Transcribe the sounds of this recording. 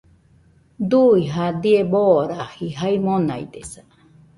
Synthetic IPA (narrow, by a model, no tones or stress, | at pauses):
d̪uiɦad̪ieboɾahiɦaimona̰ḭd̪esa